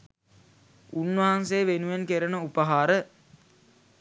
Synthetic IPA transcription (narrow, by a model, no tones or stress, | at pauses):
unʋɐɦansejːʋenuʋenkeɾənəupəɦaːɾə